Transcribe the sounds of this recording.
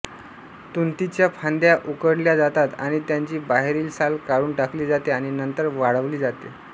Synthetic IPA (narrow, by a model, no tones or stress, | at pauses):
t̪unt̪it͡ɕjapʰand̪jaʔukəɽljad͡zat̪at̪a̰ɽ̃it̪jaɲt͡ɕiːbaɦeɾiːlsalkaɾuːnʈakliːd͡zat̪eaɽ̃inənt̪əɾʋaɽəʋliːd͡zat̪e